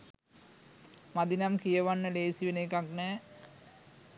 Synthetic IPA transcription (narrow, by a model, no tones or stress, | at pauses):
mad̪inamkijəʋanːəleːsiʋenekaknɛː